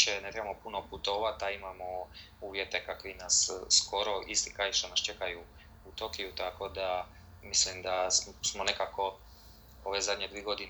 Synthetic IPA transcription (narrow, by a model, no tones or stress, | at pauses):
ʃenet̪ɾebamopuno̞put̪o̞ʋat̪aimamo | uːʋjet̪e̞kakʋinasːko̞ɾo̞ʔist̪i̥kɾajʃt̪onast͡ʃe̞kaju | ut̪okijut̪ako̞d̪a | mislimd̪asmo̞ne̞kako̞ | oʋezad̪ɲed̪ʋieɡo̞d̪in